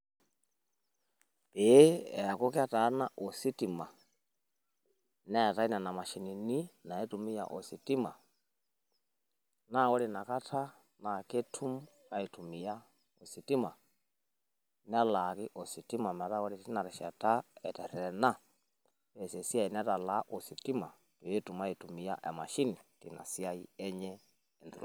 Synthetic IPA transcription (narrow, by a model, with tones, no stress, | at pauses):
pe˨˦ɛ̰˨a˨ko˦kɛ˦a˦ta˨˦na˦ʔo˨si˦ti˨ma˨ | nɛ˦a˨ta˦i˦na˨na˨ma˨ʃi˨ni˨ni˦na˨ɛ˦tu˨mi˦ja̰˨ʔo˨si˨ti˦ma̰˨ | na˦˨wɔ˦ɾi˨na˨ka˦tʰa˦ | na˨ke˦tʰu˦m | a˨i˨tʰu˨mi˨ja˦ | o˨si˨ti˦ma˨ | n˦a˦la˨ki˦ʔɔ˨si˨ti˦ma˨mɛ˨ɾa˦wɔ˦ɾi˨ti˦na˨ɾɛ˨ʃa˨ta˦ɛ˨tɛ˨ɾɛ˨ɛ˨na˦ | ɛ˨sɛ˨si˦a˦i˨n˦a˦ta˨la˦ʔɔ˨si˨ti˦ma˨ | tɔ˨je˦tu˨ma˦ji˨tu˨mi˨ja˦ʔa̰˨ma˨ʃi˦ni˨ti˨na̰˨si˦a˦jḭ˦ɛ˦ɲɛ˦ | ɛ˨ndṵ˨la̰˨